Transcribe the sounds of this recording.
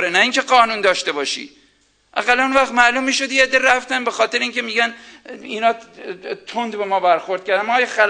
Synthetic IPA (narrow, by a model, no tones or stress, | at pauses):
ɾenæiːŋcʰe̞ɢɒːnuːnd̪ɒːʃt̪e̞bɒːʃḭː | ʔæ̰ɣælːænonvæxt̪mæːluːmːiːʃo̞d̪jeed̪ːeɾæft̪ænbe̞xɒːt̪e̞ɾeiŋcʲʰe̞miːɟæniːnɒːt̪ʰond̪bemɒːbæɾxo̞ɾd̪̥̚kʰʲæɾd̪ænmɒːjxæl